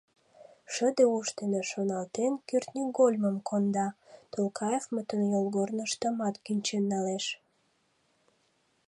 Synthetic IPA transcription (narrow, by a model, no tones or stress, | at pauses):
ʃəd̪euʃt̪eneʃonɑlt̪enkyrt̪nʲiɡolʲməmkʰond̪ɑt̪olkɑjevmət̪ənjolɣornəʃt̪əmɑt̪kynʲt͡ɕenːɑleʃ